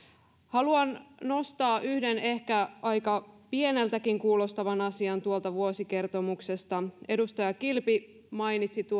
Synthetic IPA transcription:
hɑluɑnno̞st̪ɑːʔyhde̞ne̞hkæɑjkɑpie̞ne̞lt̪ækiŋkuːlo̞st̪ɑʋɑnɑsiɑnt̪uolt̪ɑʋuosike̞rt̪o̞mukse̞st̪ɑe̞dust̪ɑjɑkilpi | mɑjnit̪sit̪u

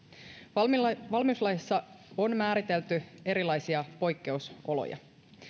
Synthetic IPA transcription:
ʋɑlmiuslɑjisːɑo̞nmæːɾit̪e̞lt̪ye̞ɾilɑjsiɑpo̞jkːe̞uso̞lo̰jɑ̰

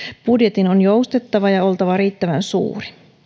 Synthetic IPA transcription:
b̥udjet̪inonjoust̪et̪ːɑʋɑjɑo̞lt̪ɑʋɑriːt̪ːæʋænsṵːri̥

